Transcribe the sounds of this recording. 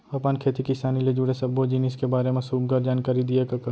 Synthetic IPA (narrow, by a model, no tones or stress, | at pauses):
ɐpaːnkʰeːt̪ikɪsaːniled͡ʒuɽesɐbːod͡ʒinɪskebaːɾemẽsuːbɡɐɾd͡ʒaːnkaːɾid̪iekakɐ